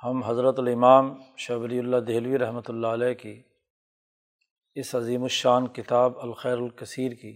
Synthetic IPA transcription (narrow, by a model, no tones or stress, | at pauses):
hɐmɦɐzɾət̪ɐlɪmaːmʃaːbliːʊlːad̪eːlʋiɾɐɦmət̪ʊlːaəlɛːki | ɪsɐziːmʊʃaːnkɪt̪aːbɐlxɛːɾɐlkɐsiːɾki